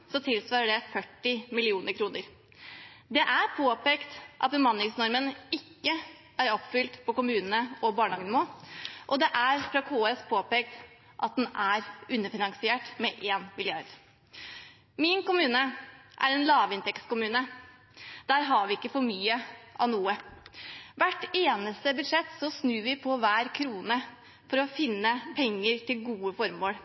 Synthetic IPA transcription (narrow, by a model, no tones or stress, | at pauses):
sɔt̪ʰɪlsʋɑːɾəɖɛfœʈːɪmɪlɪuːnəɾkʰɾuːnəɾ | d̪ɛʔæɾpʰoːpeːkt̪ʔɑ̰t̪̚bəmɑnlɪŋsnɔɾmənɪkːə | æɾɔpːfʏlt̪pʰɔkʊmʉːnənəɔbɑːɳɑːɡənmoːʔɔd̪ɛʔæɾfɾɑkʰoːɛspʰoːpeːk̚t̪ | ʔɑt̪̚d̪ɛnæɾʉnːəfɪnɑŋsɪeːʈmɛʔeːnmɪlɪɑɾd̪̥ | mɪnkʊmʉːnəʔæ̰ɾɛnlɑːʋɪnt̪ɛkskʊmʉːnə | d̪̥æːɾɦɑɾʋɪɪkːəfɔɾmyːəʔɑ̰nuːə | ʋæʈeːnəst̪əbʉd̪ʂɛt̪ːsɔsnʉːʋɪpʰɔʋæːɾkʰɾuːnə | fɔɾɔfɪnːəpʰɛŋːəɾt̪ʰɪlɡuːəfɔɾmoːɽ